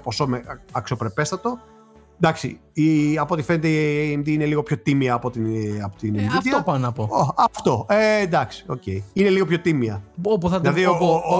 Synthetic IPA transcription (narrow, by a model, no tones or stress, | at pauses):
po̞so̞meɐksopɾe̞pe̞st̪ɐt̪o̞ | d̪ɐksḭ | iɐpo̞t̪ife̞net̪eieemðiine̞liɣo̞pço̞t̪imiɐːpo̞t̪iɐpot̪inend̪it̪iɐopɐnɐpooɐft̪o̞end̪ɐksi̥o̞̰ce̞iine̞liɣo̞pçot̪imiɐopuθɐðilɐðioo